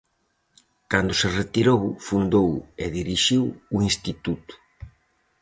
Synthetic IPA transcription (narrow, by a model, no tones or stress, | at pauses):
kand̪ʊseret̪iɾowfund̪oweðiɾiʃiwuinst̪it̪ut̪ʊ̥